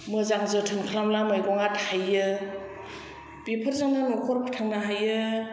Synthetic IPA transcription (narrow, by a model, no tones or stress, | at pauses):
mɯzaŋzɯtʰɯnkʰlamlamajɡɔŋathajɯ | bipʰaɾzaŋnanɔkʰɔɾpʰḁtʰaŋnaɦajɯ